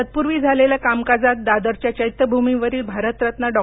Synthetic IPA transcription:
ət̪̚puɾʋiːd͡zʱaleljakamkad͡zat̪̚d̪ad̪əɾt͡ɕjat͡ɕəit̪ːəbʱumiʋəɾiːlbʱaɾət̪ɾət̪nəɖɔ

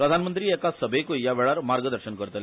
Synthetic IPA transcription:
pɾəd̪ʱanmənt̪ɾiːekasəbʱekoijaʋeɭaɾmaɾɡəd̪əɾɕənkəɾt̪əl

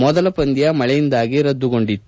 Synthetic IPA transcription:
mɔðɐlɐpɐnd̪ijɐmɐɭɐjind̪aːɡiɾɐd̪ːukɔɳɖit̪ː

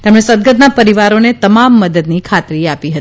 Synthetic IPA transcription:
t̪emɽesəd̪̚ɡəd̪napəɾiʋaɾonet̪əmamːəd̪əd̪nikʰat̪ɾiapiɦət̪i

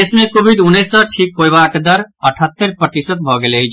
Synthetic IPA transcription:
esmẽkoːbid̪ʊnːesəʈʰiːkɦojbaːkd̪əɾɐʈʰət̪ːəɾpɾət̪ɪsət̪̚bʱɔɡelei

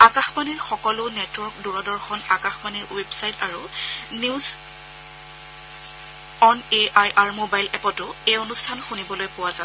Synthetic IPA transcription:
akaxmaniɹxɔkɔlʊnɛtwɔɹkduɹɔdɔɹxɔnakaxmaniɹwebsajtaɹuniz | ɔneajʔaɹmobajlɛpɔtʊejonustʰanxunibɔlojpʊwaza

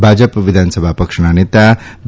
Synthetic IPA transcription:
bʱaːd͡ʒəpʋid̪ʱaːnəsəbʱapɐkʂɐɳ̃anet̪ab̪

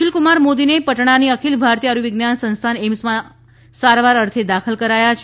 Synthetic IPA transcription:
ʃɪlkumaɾmod̪inepəʈɳ̃aniəkʰilbʱaɾt̪iaɾuʋɪɡnjansə̃nst̪ʰanemsmã | saɾʋaɾəɾt̪ʰed̪akʰəlkəɾajat͡ʃʰ

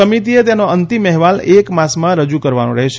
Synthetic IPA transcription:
əmit̪iet̪̬jenoənt̪imɛɦʋalekmasmãɾəd͡ʒukəɾʋanõɾəɦeʃ

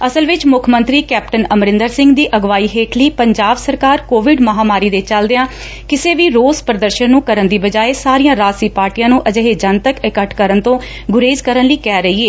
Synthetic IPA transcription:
əsəlʋɪt͡ʃmʊkʰmənt̪ɾiːkɛːp̚ʈənəmɾɪ̃nd̪əɾsɪ̃ŋɡd̪iːʔəɡʋaːiːɦeːʈʰliːpəɲd͡ʒaːbsəɾkaːɾkoːʋɪɖməɦaːmaːɾiːd̪et͡ʃəld̪eːãː | kɪseːʋiːɾoːspɾəd̪əɾʃənːũːkəɾənd̪iːbəd͡ʒaːeːsaːɾiːãːɾaːsiːpaːɾʈiːjãːnũːʔəd͡ʒəɦeːd͡ʒənt̪əkɪkəʈʰkəɾənt̪õː | ɡʊɾeːzkəɾənliːkɛːɾəɦiːeː

